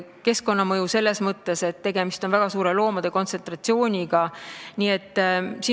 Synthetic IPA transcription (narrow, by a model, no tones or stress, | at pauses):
ke̞sko̞nːɑmɤjuse̞lːe̞smɤt̪ˑːe̞se̞t̪ːe̞ɡe̞mist̪o̞nvæɡ̥ɑsuːɾe̞lo̞ːmɑd̪̥e̞ko̞nt̪se̞nt̪rɑt̪sio̞ːnʲiɡ̥ɑniːe̞t̪ːsi